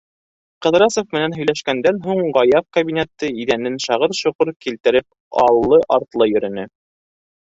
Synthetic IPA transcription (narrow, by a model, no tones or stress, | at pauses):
qɤ̆ðɾɑsofmɘ̆nænɦɵ̆jlæʃkænd̪ænɦuɴɢɑjɑfkɐbʲinʲet̪ːɤiðænːɘnʃɑʁɤɾʃŭqɤɾkilt̪ɘ̆ɾɘp̚ | ɑ̰lˠːɤʔɑɾt̪lˠɤjɵ̆ɾɵ̆nɘ